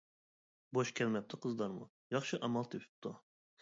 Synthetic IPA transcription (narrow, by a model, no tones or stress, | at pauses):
boʃkʲʰɛlmɛp̚t̪ʰɨqʰəzlˠɑɾmṵ | jɑχʃɨʔɑmɑlˠt̪ʰepʰy̥p̚t̪ʰu